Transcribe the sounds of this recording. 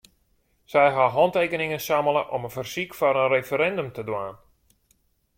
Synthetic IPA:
sɛjɦaɦɔntejkənɪŋənsaməlˠəʔɔmənfərsikfɔɾənrefəɾɛndømtədwaːn

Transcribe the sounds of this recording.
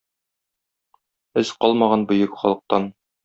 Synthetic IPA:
ɘzqɒlˠmɑʁɑnbɵ̆jɘkχɒlˠɤ̆q̚t̪ɑn

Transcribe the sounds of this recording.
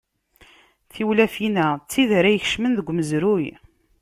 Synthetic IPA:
θiwlæfinæt͡sːiðaɾæjəç̥ʃmənðəɡʷːməzɾuj

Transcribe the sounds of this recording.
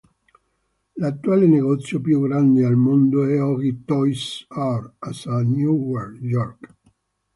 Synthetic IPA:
lat̪ːuaːleneɡɔt̪sːjopjuɡɾand̪ealmond̪oɛɔɡit̪ɔjsarasanjuwɛrjɔrk

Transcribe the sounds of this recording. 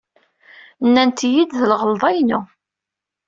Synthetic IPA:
nːænt̪jid̪ðəlʁəlðˤɑjnu

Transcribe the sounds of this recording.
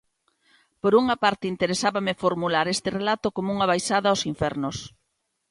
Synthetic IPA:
poɾuŋapaɾt̪ɪint̪eɾesaβamɪfoɾmulaɾest̪ɪrelat̪okomouŋaβajsaðɐaowsiɱfɛɾnʊs

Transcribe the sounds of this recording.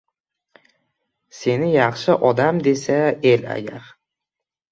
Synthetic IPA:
se̞nɪjɑχʃɪʔɒd̪amd̪e̞sae̞la̰ɡʲa̰ɾ

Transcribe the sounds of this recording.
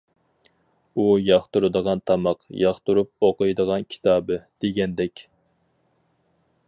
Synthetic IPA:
ujɑχt̪uɾɨd̪əʁɑnt̪ʰɑmɑqjɑχt̪uɾup̚oqəjd̪əʁɑnkʲʰi̥t̪ʰɑːbɨd̪̥eɡʲɛnd̪ɛkʲ

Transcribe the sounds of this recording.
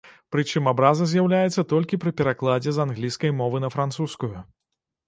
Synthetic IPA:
pɾɨt͡ʂɨmabɾazɐzʲjawlʲajɛt̪sːɐt̪ɔlʲkʲipɾɨpʲɛɾaklˠad͡zʲɛzanɣlʲijskɐjmɔvɨnɐfɾant̪suskuju

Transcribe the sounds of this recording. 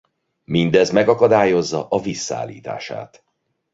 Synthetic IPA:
mind̪ɛzmɛɡɒkɒd̪aːjo̞zːɒʔɒvisːa̰ːlːḭːt̪a̰ːʃa̰ːt̪

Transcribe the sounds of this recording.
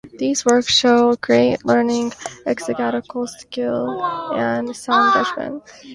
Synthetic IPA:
ðizwɜ˞ksʃoʊkʰɹ̥ieɪʔˡlɜ˞nɪ̃ŋʔɛksɨɡæɾɨkl̩ˠskɪlˠɨ̃nsãnɡʌd͡ʒmɨ̰̃n

